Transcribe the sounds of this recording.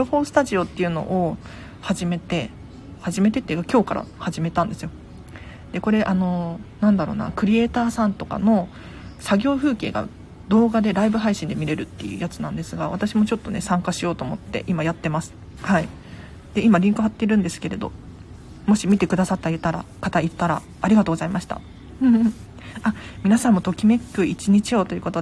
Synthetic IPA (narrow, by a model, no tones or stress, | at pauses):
ɾoɸo̞sɨ̥t̪aʑio̞t̪ːe̞jɯ̟no̞̰ʔo | haʑime̞t̪e̞ | haʑime̞t̪e̞t̪ːeiɯkakʲo̞ːkaɾʔa̰haʑime̞t̪ãnd̪e̞sɨjo̞ | d̪̥e̞ko̞ɾe̞ʔano̞nãnd̪aɾo̞ːna̰kɯ̟ɾʲie̞ːt̪aːsãnt̪o̞ka̰no̞ | saɡʲo̞ːɸɯ̟ːke̞̰ːɡa̰ | d̪o̞ːɡad̪e̞ɾaibɯ̟ɦaiɕĩnd̪e̞mʲiɾe̞ɾɯ̟t̪ːe̞̰jɯ̟̰ːjat͡sɨnã̰nd̪e̞sɨɡaβat̪aɕimo̞t͡ɕo̞t̪ːo̞ne̞sãŋkaɕijo̞ːt̪o̞ːmot̪ːe̞̰ʔimajat̪ːe̞masɨ̥ | hai | d̪̥e̞imaɾʲĩŋkɯ̟ɦat̪ːe̞iɾɯ̟̃nd̪e̞sɨ̥ke̞ɾe̞d̪o̞̰ | mo̞ɕimʲit̪e̞kɯ̟d̪asat̪ːajɯ̟t̪aɾa̰kat̪ait̪ːaɾa̰ːɾʲiɡat̪oːɡo̞zaimaɕi̥t̪a̰ | ɯ̟̃ːɴɯ̟̃ | amʲinasãmːo̞t̪o̞kʲime̞kːɯ̟it͡ɕiɲ̟it͡ɕio̞ːt̪o̞jiɯ̟ko̞t̪o